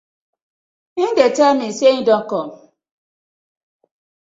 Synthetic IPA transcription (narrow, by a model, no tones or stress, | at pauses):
idetamiseɲidɔŋkɔm